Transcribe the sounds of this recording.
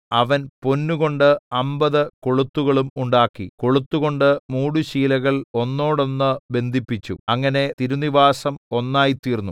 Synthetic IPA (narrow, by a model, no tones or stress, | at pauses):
ɐʋɐnpo̞nːuɣo̞ɳɖɨɐmbɐðɨko̞ɭut̪ːuɣɐɭumuɳɖaːkːḭko̞ɭut̪ːuɣo̞ɳɖɨmuːɽuɕiːlɐɣɐɭo̞nːo̞ːɽo̞nːɨbe̞nd̪ʱipːit͡ɕːṵɐŋːɐne̞t̪iɾuniʋaːsɐmo̞nːaːjit̪iːrnːu